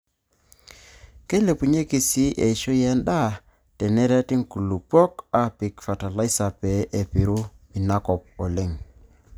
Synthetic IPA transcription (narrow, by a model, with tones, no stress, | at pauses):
ke˦le˨pu˨ɲe˦ki˨si˦ʔe˨ʃo˦jɛ˦nda˦˨ | tɛ˨nɛ˦ɾɛ˦ti˦ŋku˨lu˨pɔ˦ka˨pi˨kfa˨ta˨la˦i˦sa˨pe˨˦ʔe˨pi˨ɾu˦ | mi˨na˦kɔ˨p̚ɔ˨le˦˨ŋ